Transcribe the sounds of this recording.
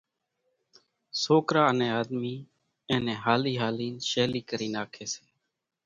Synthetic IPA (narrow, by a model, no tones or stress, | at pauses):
soːkɾaːənẽːaːd̪miː | ẽːnẽːɦaːliːɦaːliːnʃeːliːkəɾiːnaːkʰeːseː